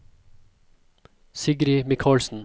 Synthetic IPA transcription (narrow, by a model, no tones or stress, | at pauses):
sɪɡɾɪmɪkʰɑːlsn̩